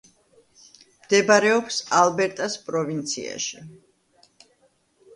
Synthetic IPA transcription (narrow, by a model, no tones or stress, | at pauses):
md̪̥ɛbaɾɛɔpsalbɛɾt̪ʼaspʼɾɔvint̪sʰḭa̰ʃi